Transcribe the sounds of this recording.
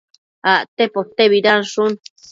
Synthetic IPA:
aʔt̪epot̪eβiɾanʂun

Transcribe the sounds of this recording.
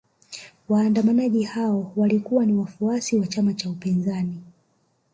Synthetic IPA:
waːndamanaʄihaɔwalikuwaniwafuasiwat͡ʃamat͡ʃaupinzani

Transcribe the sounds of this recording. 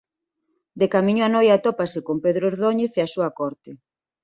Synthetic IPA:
d̪ekamĩɲoanojat̪opasekompeðɾoeɾðoɲeθeasuɐkɔɾt̪ɪ

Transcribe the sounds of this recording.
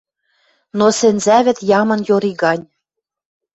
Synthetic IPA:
nosĕnzæβɘ̆t̪jɑmɤ̆njoɾiɣɑnʲ

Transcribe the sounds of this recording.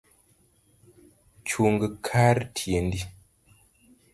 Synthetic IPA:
t͡ʃuŋɡəkʰaɾtʰiendi

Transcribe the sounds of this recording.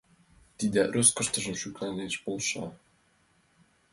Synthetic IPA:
t̪id̪æɾʲʔøskə̆ʃt̪ɤ̆ʒɤ̆mʃyklæneʃbolˠʃɑ̰

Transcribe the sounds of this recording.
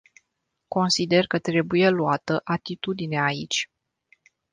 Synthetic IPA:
ko̞nsid̪e̞rkət̪ɾe̞buje̞luat̪əʔat̪it̪ud̪ineeait͡ʃʲ

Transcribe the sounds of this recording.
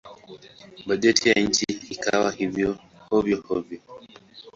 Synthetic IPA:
bad͡ʒɛtʰijaɲ̩t͡ʃiːka̰wahivjɔ | hɔvjɔhɔvjɔ

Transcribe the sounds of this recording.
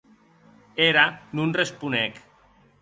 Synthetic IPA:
eɾanunrespunek

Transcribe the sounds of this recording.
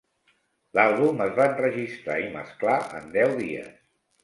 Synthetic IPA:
lalˠβuməzβanrəʒist̪ɾa̰imə̰sklaʔə̰nd̪ɛwðiə̰s

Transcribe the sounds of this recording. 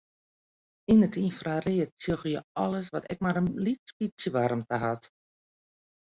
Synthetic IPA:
inətʰinfrareətsjoxjəɔləsʋɔtɛk̚maɾənlitspisjəʋaɾəmtəɦat

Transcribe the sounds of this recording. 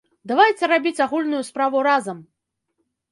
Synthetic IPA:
d̪avajt͡sʲɛɾabʲit͡sʲaɣulʲnujuspɾavuɾazɐm

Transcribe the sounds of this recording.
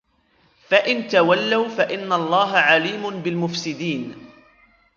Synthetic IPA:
faʔɪnt̪awalːawfaʔɪnːalˤːɑːɦaʕaliːmʊnbɪlmʊfsɪd̪iːn

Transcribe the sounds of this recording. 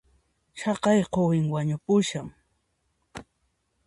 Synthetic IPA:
ʃɑqɑjqowɪŋwaɲʊpʊʃaŋ

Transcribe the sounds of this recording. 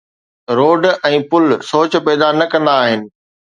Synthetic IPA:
ɾoːɖɛ̃ːpʊlsoːt͡ɕ̆pɛːd̪anɐkɐ̃nd̪aːɦɪnɪ̆

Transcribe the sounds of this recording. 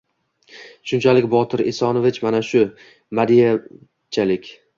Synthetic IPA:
ʃʊnt͡ʃʰalɪkʲbɒt̪ʰɪɾɪsɒnovɪt͡ʃmanaʃʊ | mad̪ija | t͡ʃʰalɪkʲ

